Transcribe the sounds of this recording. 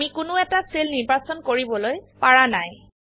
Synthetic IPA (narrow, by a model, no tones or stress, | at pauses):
mikʊnʊɛtaselniɹbasɔnkoɹibɔlojpaɹanaj